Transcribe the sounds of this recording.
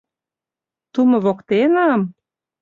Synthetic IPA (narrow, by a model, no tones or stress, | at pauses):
t̪umɤ̆βokt̪enɑm